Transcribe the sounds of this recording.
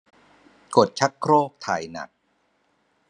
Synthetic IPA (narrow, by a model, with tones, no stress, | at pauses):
ko˨˩t̪̚t͡ɕʰa˦˥kʰːɾoː˥˩k̚t̪ʰa̰ː˨˩jna̰˨˩k̚